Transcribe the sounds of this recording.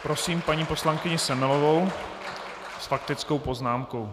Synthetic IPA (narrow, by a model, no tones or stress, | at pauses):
pɾo̞siːmpaɲiːpo̞slaŋkɪɲɪsɛmɪlo̞vo̞w | sfak̚t̪ɪt͡sko̞wpo̞znaːmko̞w